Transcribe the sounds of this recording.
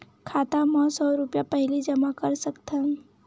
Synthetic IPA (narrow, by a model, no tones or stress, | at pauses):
kʰaːt̪amɔ̃sɔːɾʊpjapəɦlid͡ʒəmakəɾsəkt̪ã